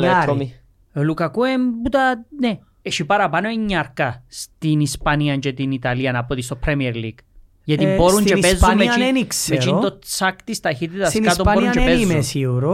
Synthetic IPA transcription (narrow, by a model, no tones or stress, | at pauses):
leomi | lukakuembut̪ane | eʃipaɾapanoiɲːaɾkast̪inispaniant͡ʃet̪init̪alianapot̪ist̪opɾemieɾlḭɡ̥ | jet̪ipoɾunt͡ʃepezomeneniksmet͡ʃit̪ot͡sakt̪ist̪axit̪̬et̪askatsooɾunt͡ʃepezmesiuɾo